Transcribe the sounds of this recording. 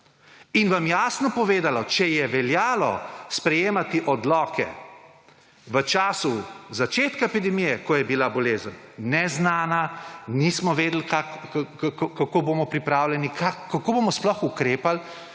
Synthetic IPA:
inʋamjaːsnɔpɔʋeːd̪alɔt͡ʃɛjɛʋɛljaːlɔ̰spɾɛjeːmat̪iʔɔd̪lɔːkʰɛ̰ | ʋət͡ʃaːsuzat͡ʃeːt̪kaepid̪ɛmijɛkɔjɛbilabɔleːzənːɛznaːnanismɔʋeːd̪l̩kak | kakobomɔpɾipɾaːwlʲɛnikʰakːakoːbomɔsplɔxukɾeːpal

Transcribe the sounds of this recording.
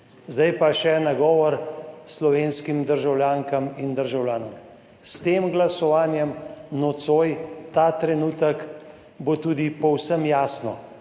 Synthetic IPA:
zd̪ajpaʃɛnaɡɔːʋɔɾslɔʋeːnskimd̪əɾʒawlʲjaːŋkamind̪əɾʒawlʲjaːnɔm | st̪eːmɡlasɔʋaːnjɛmnɔt̪soːjt̪aːt̪ɾɛnuːt̪ək | bot̪uːd̪ipɔwsəmjaːsnɔ

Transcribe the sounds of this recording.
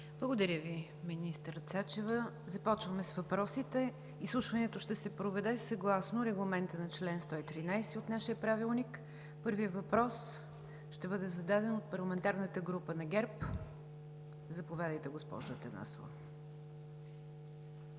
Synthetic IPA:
blˠəɡod̪ɐɾʲəvi | minist̪ɾt̪sat͡ʃɛvə | zɐpɔt͡ʃvəmɛsvɐpɾɔsit̪ɛ | islˠuʃvɐnɛt̪oʃt̪ɛsɛpɾovɛd̪ɛsɐɡlˠasnoɾɛɡlˠɐmɛnt̪ənɐt͡ʃlɛnst̪ɔit̪ɾinajsɛot̪naʃiəpɾavilˠnik | pɤɾvijəvɐpɾɔs | ʃt̪ɛbɤd̪ɛzɐd̪ad̪ɛnot̪̚pɐɾlˠɐmɛnt̪aɾnət̪əɡɾupənɐɡɛɾp | zɐpovʲad̪əjt̪ɛɡospɔ̰ʒət̪ɐna̰so̰və̰

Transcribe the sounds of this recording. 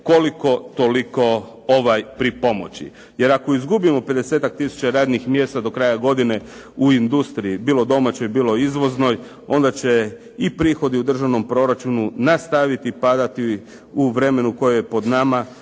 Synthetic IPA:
koliko̞t̪o̞liko̞ | oʋajpɾipo̞mo̞̰t͡ɕḭ | je̞ɾako̞izɡubimo̞pe̞d̪e̞seːt̪ak̚t̪isu̥t͡ɕaɾaːd̪nixmje̞ːst̪ad̪o̞kɾajaɡo̞d̪ine̞ | uind̪ust̪ɾiibiːlˠo̞d̪o̞mat͡ɕo̞jbiːlˠo̞izʋo̞zno̞j | o̞nd̪at͡ɕe̞ | ipɾiːxo̞d̪iud̪r̩ʒaʋno̞mpɾo̞ɾat͡ʃununast̪aʋit̪ipad̪at̪i | uʋɾe̞me̞nuko̞jejepo̞d̪nama

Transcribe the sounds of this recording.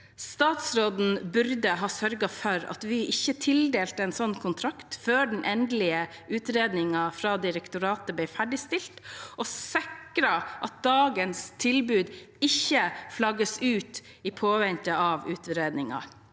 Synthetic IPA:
st̪ɑːt̪sɾoːd̪n̩bʉɾd̪əɦɑːsœɾɡɑfɔɾɑ̰t̪ʋɪʔɪçːət̪ʰɪld̪eːlt̪əɛnsɔnːkʰʊnt̪ʰɾɑkt̪føːɖɛn̩ʔɛnd̪lɪə | ʉːt̪ɾeːd̪nɪŋɑfɾɑːd̪ɪɾɛkt̪ʊɾɑːt̪əblɛɪfæɖɪst̪ɪlt̪ʔɔsɪkɾɑʔɑt̪̚d̪ɑːɡənst̪ʰɪlbʉːd̪ɪçːəflɑɡəsʉːt̪ | ipʰoːʋɛnt̪əɑʋʉːt̪ɾeːd̪nɪŋɑ̰

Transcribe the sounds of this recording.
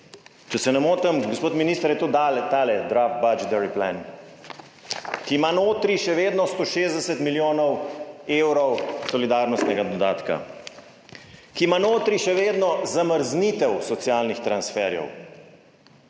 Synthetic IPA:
t͡ʃɛsɛnɛmoːt̪ɛmɡospoːt̪miniːst̪əɾjɛt̪oːd̪alɛt̪aːlɛd̪ɾaft̪̚bad͡ʒɛt̪ɛɾipla̰n | kimanoːt̪ɾiʃɛʋeːd̪nɔst̪oːʃeːzd̪ɛsɛt̪miljoːnɔweːwɾɔwsɔlid̪aːɾnɔst̪nɛɡad̪ɔd̪aːt̪ka̰ | kimanoːt̪ɾiʃɛʋeːd̪nɔzaməɾznit̪ɛwsɔt̪sjaːlnixt̪ɾansfɛɾjɛ̰w

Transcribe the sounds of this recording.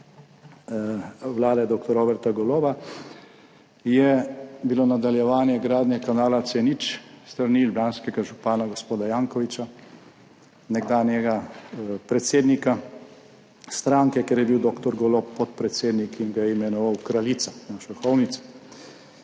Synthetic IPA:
wlaːd̪ɛd̪oːk̚t̪ɔɾoːbɛɾt̪aɡɔloːʋa | jɛbilonad̪aljɛʋaːnjɛɡɾaːd̪nʲɛkanaːlat̪sɛnit͡ʃst̪ɾaɾnilbanskɛɡaʒupaːnaɡospoːd̪ajaːŋkɔʋit͡ʃa | nɛɡd̪aːnjɛɡapɾɛt̪seːd̪nika | st̪ɾaŋkɛkɛɾjɛbiwd̪oːkt̪ɔɾɡɔloppɔt̪̚pɾɛt̪seːd̪nikiŋɡajɛimɛnɔʋawkɾalit̪sanaʃaxɔwnit̪sɛ̥

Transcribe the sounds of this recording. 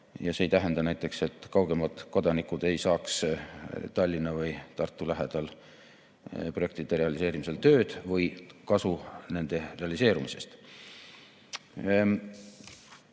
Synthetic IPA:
jɑse̞jt̪æɦe̞nd̪ɑnæjt̪ːˑe̞kse̞t̪ːˑkɑwɡ̥emɑt̪ko̞d̪ɑnikːˑud̪̥e̞jsɑːks | t̪ɑlʲːinːɑvɤjt̪ɑrt̪ːˑulæɦed̪̥ɑl | proe̞k̚t̪id̪̥e̞re̞ɑlise̞ːɾimise̞lt̪ø̞ːd̪̥vɯjkɑsune̞nd̪̥e̞re̞ɑlise̞ːɾumise̞st̪

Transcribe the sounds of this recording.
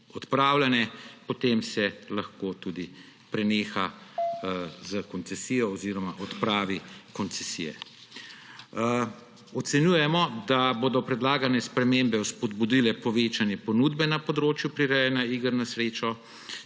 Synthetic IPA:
ɔt̪pɾaːwlanɛpɔt̪emsɛlaxkoːt̪uːd̪i | pɾɛneːxa | zəkɔnt̪sɛsijɔːziːɾɔmaʔɔt̪pɾaːʋikɔnt̪sɛsḭjɛ̰ | ɔt̪sɛnjuːjɛmɔd̪aboːd̪ɔpɾɛd̪laːɡanɛspɾɛmembɛuspɔd̪bud̪ilɛpɔʋeːt͡ʃanjɛpɔnuːd̪bɛnapɔd̪ɾoːt͡ʃjupɾiɾɛjɛnaiːɡəɾnasɾeːt͡ʃɔ

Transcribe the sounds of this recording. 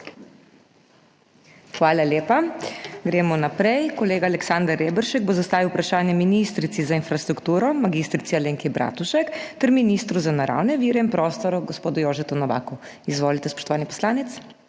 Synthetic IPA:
xʋaːlaleːpaɡɾɛːmɔnapɾɛjkɔleːɡaːlɛksand̪əɾebəɾʃɛɡ̚bozast̪aːʋiwpɾaʃaːnjɛminist̪ɾit̪sizainfɾast̪ɾukt̪uːɾɔmaɡist̪ɾit̪sialeːŋkibɾʔa̰ːt̪uʃɛkt̪ɛɾminist̪ɾuzanaɾa̰ːwnɛʋiːɾɛinpɾɔːst̪ɔɾuɡɔspoːd̪ujoːʒɛt̪ɔnɔʋa̰ːkuizʋoːlit̪ɛspɔ̥ʃt̪ɔʋaːnipɔ̥slaːnɛt̪s

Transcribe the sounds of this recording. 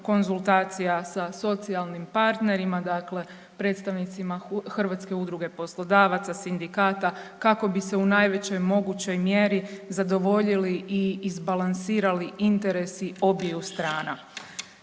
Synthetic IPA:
ko̞nzulˠt̪aːt̪sijasaso̞t̪sialˠnimpaɾt̪ne̞ɾimad̪aːkle̞ | pɾe̞ːt̪st̪aʋnit̪simaxrʋat̪ske̞ud̪ɾuɡe̞po̞slˠo̞d̪aːʋat̪sasind̪ikaːt̪akako̞biseunaːjʋe̞t͡ɕo̞jmo̞ɡut͡ɕo̞jmje̞ɾizad̪o̞ʋo̞ʎiliʔiːzbalansiːɾaliint̪e̞ɾe̞sio̞bijust̪ɾaːna

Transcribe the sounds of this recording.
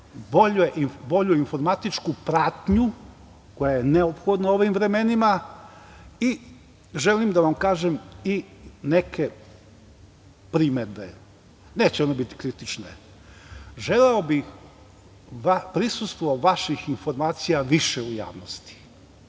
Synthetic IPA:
boʎueʔibo̞ʎuinfo̞ɾmat̪it͡ʃkupɾat̪ɲu | ko̞jajene̞opxo̞d̪nao̞ʋimʋɾe̞me̞nima | i | ʒe̞limd̪aʋamkaːʒemine̞kʰe̞ | pɾimed̪bḛ | ne̞ːt͡ɕeo̞ne̞bit̪i̥kɾit̪it͡ʃnḛ | ʒe̞leobix | ʋapɾisust̪ʋoʋaʃixinfo̞ɾmaːt̪sijaʋiʃeuja̰ːʋnost̪i̥

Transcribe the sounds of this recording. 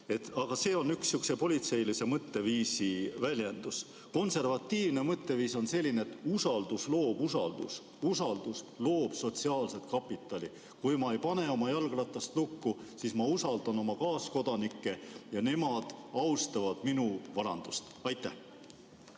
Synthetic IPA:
e̞t̪ːˑɑɡ̥ɑse̞ːo̞nːyksjyksepo̞lʲit̪se̞jlise̞mɤt̪ːe̞viːsivælʲje̞nd̪̥us | ko̞nse̞rvɑt̪ːiːvne̞mɤt̪ːe̞viːso̞nse̞lʲːineːt̪ːusɑld̪uslo̞ːb̥usɑ̰ld̪̥ṵs | usɑld̪̥uslo̞ːb̥so̞t̪siɑːlse̞t̪kɑpːˑit̪ːˑɑlʲi | kujmɑe̞jpɑne̞o̞mɑjɑlɡ̥lɑt̪ːˑɑst̪lukːusismɑusɑld̪̥ɑno̞mɑkɑːsko̞d̪̥ɑnikːe̞jɑne̞mɑd̪̥ɑwst̪ɑvɑd̪̥minuvɑɾɑ̰nd̪̥ust̪ɑjt̪ːˑæh

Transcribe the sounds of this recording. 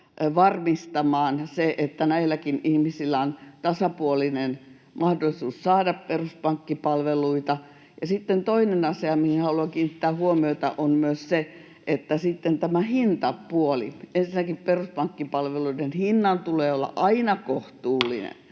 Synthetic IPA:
ʋɑrmist̪ɑmɑːnseʔet̪ːænæilːˑækinihmisilːæont̪ɑsɑpuolinen | mʔɑhdolːˑisuːssɑːdɑpperuspɑŋkːipɑlʋeluit̪ɑ | jɑsit̪ːent̪oinenɑseɑmihinhɑluɑŋkiːnit̪ːæːhuomioit̪ɑ̰ʔonmyøsse | ʔet̪ːæsit̪ːent̪æmæhint̪ɑpuolḭensinækipperuspɑŋkːipɑlʋeluidenhinːɑnt̪uleːolːɑ̰ʔɑinɑkoht̪uːlːḭnḛn

